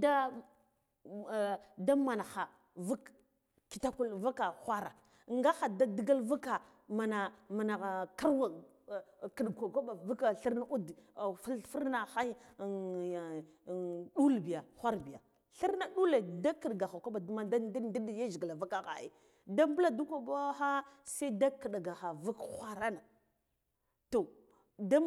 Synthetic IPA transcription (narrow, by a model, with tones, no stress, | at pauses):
da˦˨ | da˦ma˨na˨xa˨ | va˦k | ki̥˨ta˦ku˦lva˦ka˨xʷa˦ɾa˨ | ŋɡa˦xa˨da˦də˦ɡa˦lva˦ka˨ | ma˨na˨ma˨na˨ɣa˨ka˦ɾwa˨ | kə˨ɗkʷa˨ka˦ɓa˨va˦ka˨ɬi˦ɾna˦ʔu˦dfi˦fu˦ɾna˨xa˦˨ | ɗu˦lbi˨ja˨xʷa˦ɾbi˨ja̰˨ | ɬi˦ɾna˦ɗu˦le˨da˦kə˨ɗɡa˨xa˨ka˦ɓa˨du˦ma˦da˦ddi˦dja˦ʒi˨ɡa˨la˨va˦ka˦˨xa̰˨ḭ˨ | da˦mbə˦la˦du˦kʷa˨ba˦xa˦sa˦da˦kə˨ɗa˨ɡa˨xa˨va˦kxʷa˨ɾa˦na˨ | to˨ | da˦